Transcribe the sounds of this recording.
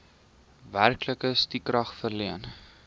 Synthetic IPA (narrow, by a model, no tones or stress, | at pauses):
værkləkəstikrɐχfərliən